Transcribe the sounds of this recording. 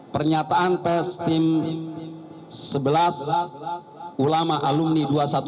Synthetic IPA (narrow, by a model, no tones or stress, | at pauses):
pərɲat̪aːnpɛst̪ɪm | səbəlas | ulamaʔalumniduasat̪